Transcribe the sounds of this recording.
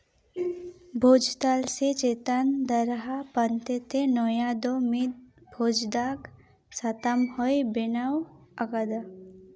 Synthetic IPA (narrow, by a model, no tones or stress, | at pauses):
bʱoːd͡ʒt̪alset͡ʃeːt̪and̪əɾɦapɐnt̪et̪enɔjad̪omid̪̚bʱoːd͡ʒd̪ak | sat̪amhɔjbɪnawɐɡad̪a